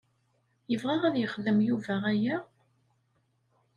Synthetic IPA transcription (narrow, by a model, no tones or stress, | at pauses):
jəvʁæʁæðjəχðəmjuvæʁæjæ